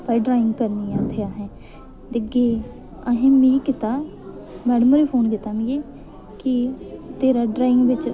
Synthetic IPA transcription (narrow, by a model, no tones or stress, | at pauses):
paiɖɾaːɪ̃ŋɡkəɾniːaːt̪ʰeaːɦɛ̃ː | d̪ɪɡeː | əɦẽːmĩːkɪt̪aː | mɛːɽəmoɾeːpʰoːnkɪt̪aːmĩɡeː | kɪt̪eːɾaːɖɾaːɪ̃ŋɡʋɪt͡ʃ